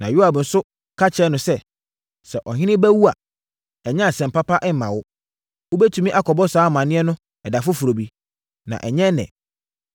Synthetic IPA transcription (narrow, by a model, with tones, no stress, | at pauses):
nã̰˨ju˦a˨bn̩˨sʊ˦ | kʰa˦t͡ɕʰɛ˦nʊ̃˨sɛ˦ | sɛ˨ʔɔ˨ɦɪ̃˦nɪ̃˦bæ˦wu˦a˨ | ɛ˨ɲɛ̃˦˨sɛ̃˨m̩˨pa˦pʰa˦ʔɛ˦m˦mã˨wʊ˦ | wo˦bɛ˦tʰu˦mĩ˦ʔa˦kʰɔ˨bɔ˦saː˨˦˨mã˨nɪ̃˦ɛ˦nʊ̃˦ | ɛ˨da˨fʊ˦fu˨ɾo˨bi˦ | nã̰˨ʔɛ˨ɲɛ̃˦nɛ̰̃˨